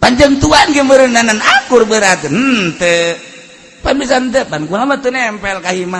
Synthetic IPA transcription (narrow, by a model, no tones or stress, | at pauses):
paɲd͡ʒaŋt̪uanɡəməɾənanənakurbəɾat̪ənt̪ə | panbis̬ant̪̬ɛpankualamat̪unɛmpɛlkaɦima